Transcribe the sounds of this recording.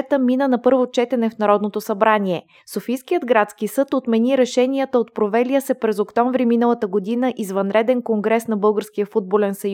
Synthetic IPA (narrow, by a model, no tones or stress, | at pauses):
ɛt̪əminənɐpɤɾvot͡ʃɛt̪ɛnɛfnɐɾɔd̪not̪osɐbɾaniɛ | sofijskijəd̪ɡɾat̪skisɤt̪ot̪mɛniɾɛʃɛnijət̪əot̪̚pɾovɛlijəsɛpɾɛzokt̪ɔ̃ɱvɾiminəlˠət̪əɡod̪inəʔizvɐnɾɛd̪ɛnkoŋɡɾɛsn̪ɐbɤlˠɡəɾsk̟ijəfud̪̚bolɛnsɐj